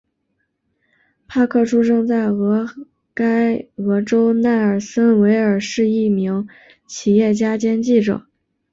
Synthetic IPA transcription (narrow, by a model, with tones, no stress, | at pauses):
pʰa˥˧kʰɤ˥˩ʈ͡ʂʰu˥ʈ͡ʂɤ˥˧ŋt͡sa˥˩ɪɣɤ˧˥ | ka˥ɪɤ˧˥ʈ͡ʂo˥ʊna˥˩ɪə˞˨˩sə˥nwe˧˥ɪə˞˨˩ʂɻ̩˥˧i˥˩mi˧˥ŋ | t͡ɕʰi˨˩jɛ˥˩t͡ɕja˥t͡ɕjɛ˥nt͡ɕi˥˩ʈ͡ʂɤ̰˨˩˦